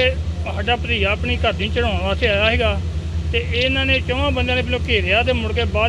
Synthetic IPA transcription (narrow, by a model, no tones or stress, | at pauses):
eɦaːɖaːpəɾiːaːpɳiːkəɾd̪ĩːt͡ʃəɽõːãʋaːseːaːjaːɦɛːɡaːt̪eːeːɪnãːnẽːt͡ʃəʋãːbənd̪ãːneːbɪlõːkeːɾejaːd̪eːmʊɽkeːbaː